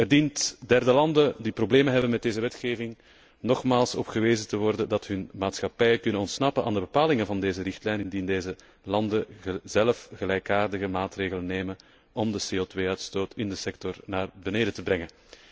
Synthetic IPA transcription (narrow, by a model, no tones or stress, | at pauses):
ɛrdintdɛrdəlɑndədiprobleːmənɦɛbənmɛt̚deːzəʋɛtxeːvɪŋ | nɔxmaːlˠsɔ̰pɣəʋeːzətəʋɔrdədɑtɦɵnmaːtsxɑpɛjəkʏnənɔntsnɑpənʔaːndəbəpaːlɪŋənvɑndeːzərɪxtlɛjnɪndindeːzə | lɑndəzɛləfɣəlɛjkaːrdəɣəmaːtreːɣələnːeːmən | ʔɔmdəseːoːtʋeːœɥtstoːtɪndəsɛktɔrnaːrbəneːdətəbrɛŋən